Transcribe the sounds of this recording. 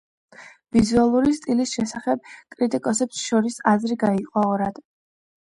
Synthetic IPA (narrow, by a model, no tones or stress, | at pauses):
vizualˠuɾist̪ʼilisʃɛsaχɛb̚kʼɾit̪ʼikʼɔsɛpsʃɔɾisazɾiɡaiqʼɔɔɾad̪̥